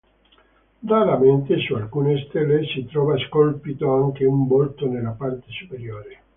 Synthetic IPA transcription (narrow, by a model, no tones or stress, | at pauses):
d̪aɾament̪esualkuːnest̪elːesit̪ɾɔːvaskolpit̪oaŋk̟eumbolt̪onelːapart̪esupeɾjoːɾe